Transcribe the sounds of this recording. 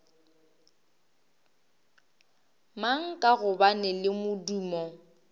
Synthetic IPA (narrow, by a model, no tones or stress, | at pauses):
maŋ̩kʼaɣʊbanɪlɪmʊduːmɔ